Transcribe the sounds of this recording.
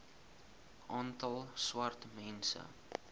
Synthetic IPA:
ʔɑːntɐlˠswɐrtmɛnsə̰

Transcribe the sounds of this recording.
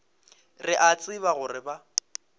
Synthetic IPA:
rɪʔat͡sʼɪβaɣʊrɪba

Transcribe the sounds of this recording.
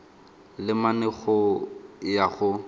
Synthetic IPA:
lɪmanɛɣɔ | jaɣʊ

